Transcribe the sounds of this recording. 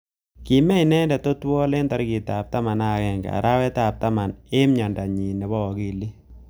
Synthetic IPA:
ki˨mɛ˦inɛ˦ndɛ˨to˦twɔ˦le˦nta˦ɾki˨ta˨p̚ta˦ma˨na˦˨kɛ˦ŋɡ̰a̰˨ɾʔa˦wɛ˦ta˨p̚ta˦ma˨ne˦mɲa˨nda˨ɲi˨nɛ˨βɔ˦ɔ˨ki˦˨li˦

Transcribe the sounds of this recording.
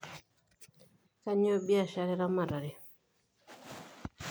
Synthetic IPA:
ka˦ɲɔ˦bi˦a˨ʃa˨ɾɛ˦ɾa˦ma˨ɾa˨ɾɪ˨

